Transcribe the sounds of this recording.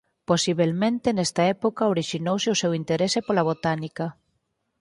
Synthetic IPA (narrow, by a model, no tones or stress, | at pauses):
posiβ̞elmẽnt̪enɛst̪aɛpokaoɾiʃinowseosewint̪eɾesepolaβ̞ot̪anika